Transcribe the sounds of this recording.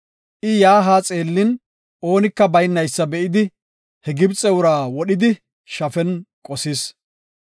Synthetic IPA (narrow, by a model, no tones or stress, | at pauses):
ʔɪjaːɦaːt͡sʼe̞ːlːɪn | ʔo̞ːnɪkːɐbɐjnːɐjsːɐbɛʔɪd̪ɪ | hɛɡɪbt͡sʼɛwʊɾaːwɔɗɪd̪ɪ | ʃɐfɛnkʼɔsɪs